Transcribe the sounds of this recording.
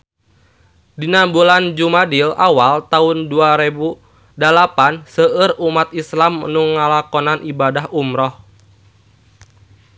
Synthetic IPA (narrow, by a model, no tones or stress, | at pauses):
dinambuland͡ʒumadilawalt̪aunduaɾebu | dalapansəərumat̪̚islamnuŋalakɔnanʔibadaɦumɾɔh